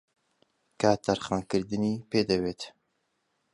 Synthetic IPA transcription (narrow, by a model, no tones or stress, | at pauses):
kaːt̪ʰaɾχɑːnkɨɾd̪ɨniːpeːd̪ɐweːt̪